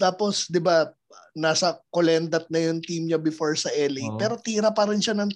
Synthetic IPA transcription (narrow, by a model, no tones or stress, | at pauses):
t̪aːpo̞sd̪ɪba | naːsɐkolɛnd̪ɐt̪̚nɐjʊŋt̪imɲɐbɪfoɹsɐʔɛlɪpɛːɾo̞t̪iːɾɐpɐɾɪnʃɐnɐŋ